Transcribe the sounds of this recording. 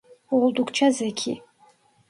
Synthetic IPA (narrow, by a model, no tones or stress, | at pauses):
ɔld̪ukʰt͡ʃʰazɛkʰḭ